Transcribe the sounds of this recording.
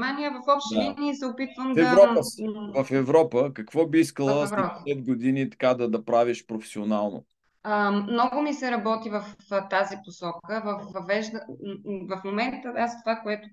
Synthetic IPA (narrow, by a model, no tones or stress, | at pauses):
manijəvɐfɔpʃt̪iniisɛopit̪vəmd̪ɛɾɔpəvɐfɛvɾɔpəkɐkvɔbiiskəlˠəsvɾɔpəsɛt̪̚ɡod̪init̪ɐ̥kad̪ɐd̪ɐpɾaviʃpɾofɛ̥sionalˠno̰ | ənɔɡʊmisɛɾɐbɔt̪ivɐft̪aziposɔkəvɐfvɐvɛʒd̪əvɐfmomɛnt̪əast̪ovakoɛt̪ʊ